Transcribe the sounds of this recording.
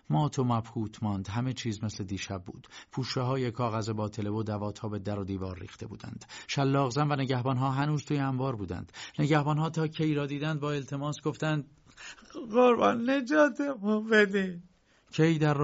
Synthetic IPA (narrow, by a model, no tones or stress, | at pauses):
mɒːt̪ʰomæbhuːt̪ʰmɒːnd̪ɦæme̞t͡ʃʰiːzmesle̞d̪iːʃæb̚ːṵːd̪̥pʰuːʃeɦɒːjekʰɒːɣæzebɒːt̪ʰe̞le̞vod̪ævɒːt̪ʰɒːbe̞d̪æɾod̪iːvɒːɾːḭːχt̪ʰe̞bṵːd̪æ̰nd̪̥ʃælːɒːɣzæmvæneɟæhbɒːnɦɒːɦænuːzt̪ʰuːjeæmvɒːɾbuːd̪æ̰nd̪̥ne̞ɟæhbɒːnɦɒːt̪ʰɒːcʰejɾɒːd̪iːd̪ænd̪̚bɒːe̞lt̪ʰe̞mɒːsɡoft̪ænd̪̚ | ɣoɾbɒ̰nːe̞d͡ʒɒːt̪ʰemubed̪i | cʰejd̪æɾ